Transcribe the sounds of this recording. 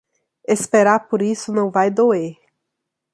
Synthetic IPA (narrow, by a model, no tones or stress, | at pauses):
espeɾaɾpoɾisʊnɐ̃w̃vajd̪oeɾ